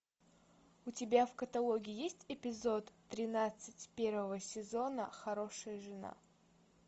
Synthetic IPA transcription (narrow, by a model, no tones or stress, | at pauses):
ʊtʲɪbʲafkət̪ɐlˠoɡʲɪɪjesʲtʲɪpʲɪzo̞t̪ːɾʲɪnat̪sɨtʲpʲe̞rvəvəsʲɪzo̞nəxɐɾo̞ʂəjəʐɨna̰